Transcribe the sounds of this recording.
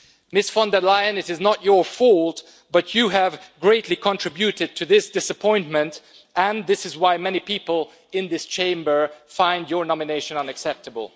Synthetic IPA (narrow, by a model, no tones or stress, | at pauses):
mɪsfɑ̃ndə˞laɪɨ̃nɨɾɨznət͡ʃə˞fɔlˠt | b̥ʌt͡ʃɨɨvɡɹeɪtʰˡlikʰə̃ntʰɹ̥ɪbjʉɾɨd̚tʰɨðɪsd̥ɪsəpʰɔ̃ɪ̃nmɨ̃nt | ʔɨ̃nðɪsɨzwaɪmɛnipipəl̩ˠ | ɪ̃nðɪst͡ʃʰẽɪ̃mbə˞fãɪ̃ndjə˞nɑmɨneɪʃɨ̃nʌ̃nɨksɛp̚təbə̰l̩ˠ